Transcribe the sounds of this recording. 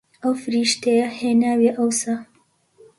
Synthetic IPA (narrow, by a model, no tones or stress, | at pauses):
awfɾiʃt̪ejahenaːweʔawsa